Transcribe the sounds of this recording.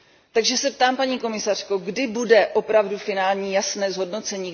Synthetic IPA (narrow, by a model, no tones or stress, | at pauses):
t̪aɡʒɛsɛp̚t̪aːmpaɲiːko̞mɪsar̝̥ko̞ɡdɪbudɛʔo̞pɾavdufɪnaːlɲiːjasnɛːzɦo̞dno̞t͡sɛɲiː